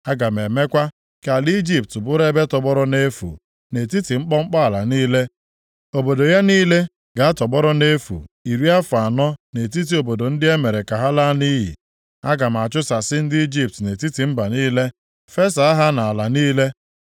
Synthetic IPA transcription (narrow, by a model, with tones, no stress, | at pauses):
a˦ɡa˨m̩˨e˨me˦kʷa˦ | ka˨li˦d͡ʒi˦p̚tbʊ˦ɾe˦be˦tɔ˨bɔ˦ɾɔ˦ne˦fṵ˨ | ne˨ti˦ti˨ŋ͡m̩˦k͡pɔ˦ŋ͡m̩˦k͡pɔ˦a˨la˨niː˦le˦ | o˨bo˨do˨ja˦niː˦le˦ | ɡa˨a˦tɔ˨bɔ˦ɾɔ˦ne˦fṵ˨i˨ɾi˦a˦fa˨nɔ˦ne˨t̬i˦t̬i˨o˨bo˨do˨n̩˦dɪ˦e˦me˨ɾe˨ka˨ɦa˦la˦ni˦ɦḭ˨ | a˦ɡa˨m˨a˨t͡ʃʊ˦sa˨sɪ˦n̩˦dɪ˦i˦d͡ʒi˦p̚tne˨ti˦ti˨m̩˦ba˨niː˦le˦ | fe˦sa˨a˦ɦa˦na˨a˨la˨niː˦le˦